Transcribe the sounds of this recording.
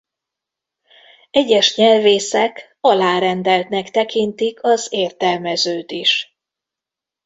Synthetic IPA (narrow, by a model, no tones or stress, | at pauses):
ɛɟɛʃɲɛlveːsɛk | ɒlaːɾɛnd̪ɛlt̪nɛkt̪ɛkint̪ikʰɒzeːrt̪ɛlmɛzøːt̪iʃ